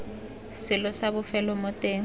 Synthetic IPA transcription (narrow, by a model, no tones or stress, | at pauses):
sɪlɔsaβʊfɛlɔmɔtʼeːŋ̩